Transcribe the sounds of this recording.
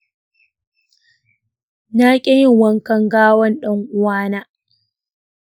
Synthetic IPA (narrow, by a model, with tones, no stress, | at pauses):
naː˦kʲʼɛ˦jɪ˦˨ŋwɐ˦ŋkɐ˦ŋɡaː˦wɐ˦nɗɐ˦ŋʔʷʊ˦waː˦naː˦